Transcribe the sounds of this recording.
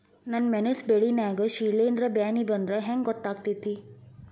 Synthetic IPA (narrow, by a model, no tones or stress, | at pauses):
nɐnmenesbeɭinaːɡɐʃiːleːnd̪ɾɐbjaːnibɐnd̪ɾeɦeŋɡɡɔt̪ːaːɡ̚t̪it̪ːi